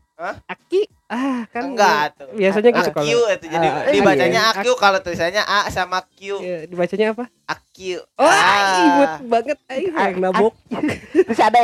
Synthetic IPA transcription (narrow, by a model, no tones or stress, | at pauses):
əaki | akanŋɡatubiasaɲaɡit̪ukaluit̪ud͡ʒadidibat͡ʃaɲaːkiukalot̪ɾisaɲaʔasamakiuadibat͡ʃaɲaːpa | akiuɔakibut̪̚baŋət̪̚aiaŋnabok̚usada